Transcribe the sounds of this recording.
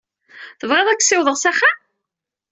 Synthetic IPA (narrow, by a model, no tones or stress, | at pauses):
θəvʁeðˤækːsɪwðˤəʁsæχːa